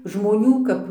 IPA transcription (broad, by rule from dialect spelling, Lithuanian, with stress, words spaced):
ʒmoːˈnʲuː kɐp